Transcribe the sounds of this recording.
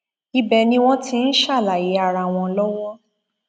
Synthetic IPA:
i˦bɛ˧nĩ˦w̃ɔ̃˦tʰi˦n̩˦ʃa˦˨la˨je˨˦a˦˨ɾa˧˨w̃ɔ̃˧lɔ˦wɔ˦

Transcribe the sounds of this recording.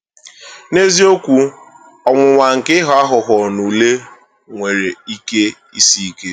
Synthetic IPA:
ne˦zi˦o˦kʷu˦ | ɔ˨ŋʷʊ˨ŋʷa˨ŋ̩˨kɪ˦ɦa˦ɦʊ˨ɦɔ˨nu˨le˦ | ŋʷe˨ɾe˨i˦ke˦ | i˦si˦i˦ke˦

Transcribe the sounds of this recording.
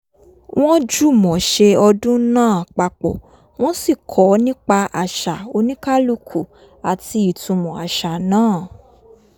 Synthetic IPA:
w̃ʔɔ̃˦d͡ʒu˦˨mɔ̃˨ʃe˧ɔ˧dũ˦nãː˦˨k͡pa˧k͡pɔ̰˨ | w̃ɔ̃˦si˦˨kʰɔ˨˦nĩ˦k͡pa˧ʔa˨ʃa˨o˧nĩ˦ka˦lu˦˨kʰu˨ | a˨ti˧i˨tũ˨˧mɔ̃˨a˨ʃa˨nãː˦˨

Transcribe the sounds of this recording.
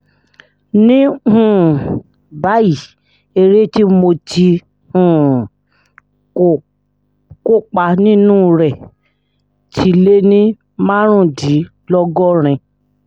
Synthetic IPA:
nĩ˦hũ˦˨ | ba˨˦ji˨ | e˧ɾe˦ti˦mo˧ti˧ | hũ˨ | ko˦˨k͡pa˧nĩ˦nũː˦ɾɛ˨ | tʰi˧le˦nĩ˦ | mã˦ɾ̃ũ˦˨di˨˦ | lɔ˦ɡɔ˦˨ɾ̃ĩ˧

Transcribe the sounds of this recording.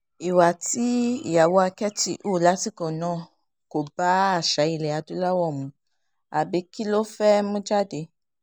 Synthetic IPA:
i˨wa˨ti˦i˨ja˨wo˧˦a˧kɛ˦ti˦ʔu˦˨la˨˦ti˦kɔ̃˨nɔ̃ː˦˨ | ko˨ba˨˦a˦˨ʃa˨˦i˧lɛ˨a˨du˦la˦wɔ˦˨mũ˨˧ | a˨bi˨˧˦ki˦lo˦fɛ˦mũ˦d͡ʒa˦de˧˦

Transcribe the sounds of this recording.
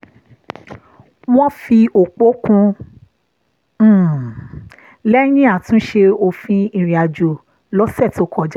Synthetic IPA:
w̃ɔ̃˦fi˧o˨k͡po˦kũ˧˦˨ | lɛ˦j̃ĩ˦a˦˨tũ˧˦ʃe˧o˧fĩ˧ĩ˨ɾĩ˨a˨d͡ʒo˨ | lɔ˦sɛ˦˨to˧˨kʰɔ˨d͡ʒ

